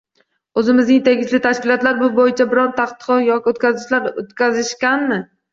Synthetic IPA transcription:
ɵzɪmɪznɪŋt̪ʰe̞ɡʲɪʃlɪt̪ʰaʃkʲɪlˠɒt̪laɾbʊbojɪt͡ʃʰabɪɾɒnt̪ʰaχt̪ɨ̥qɒjɒkʲɪot̪̚kʲʰazɪʃlaɾot̪kʲazɪʃkʲanmɪ

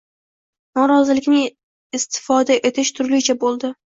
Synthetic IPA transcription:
nɒɾɒzɪlɪkʲnɪŋ | ɪst̪ʰɪ̥fɒd̪aʔe̞t̪ʰɪʃt̪ʰʊɾlɪt͡ʃʰabolˠd̪ɪ

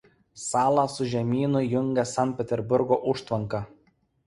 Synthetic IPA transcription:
sɑːlˠɑsʊʒʲɛmʲiːnʊjʊŋʲɡʲɛsɑnt̪pʲɛt̪ʲɛɾbʊɾɡoːʔʊʃt̪ʋɐŋkɑ

